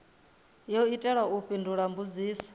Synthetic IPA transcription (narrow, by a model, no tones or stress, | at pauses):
jɔuitʼɛɺwaupʼindʱuɺambud͡ziːsɔ̥